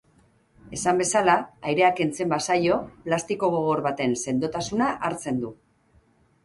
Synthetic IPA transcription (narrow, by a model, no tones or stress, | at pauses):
e̞sambe̞salaːjɾe̞ake̞nt͡se̞mbasajo̞plast̪iko̞ɣoɣo̞ɾβat̪e̞nse̞nd̪o̞t̪asunaʔaɾt͡se̞nd̪u